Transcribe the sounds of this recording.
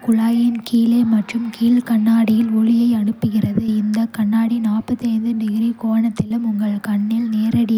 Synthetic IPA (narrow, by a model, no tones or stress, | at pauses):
kʊɭaːjɐnkiːleːmɐʈrɯmkiːlkɐɳːaːɽɪjɪlɔɻɪjɐɪɐɳɯpːɯɣɪrɐðɯɪnd̪ɐkɐɳːaːɽinaːrpɐt̪ːiɐɪnd̪ɯɳɖɪɣɪɾikoːɳɐt̪ːɪlɯmʊŋɡɐɭkɐɳːɪlneːɾɐɽɪ